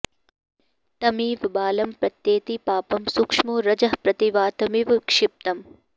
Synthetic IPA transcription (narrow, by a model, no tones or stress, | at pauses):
t̪ɐmiːʋbaːlɐmpɾɐt̪jeːt̪ipaːpɐmsukʂmuɾɐd͡ʒɐɦpɾɐt̪iʋaːt̪ɐmiʋkʂɪp̚t̪ɐm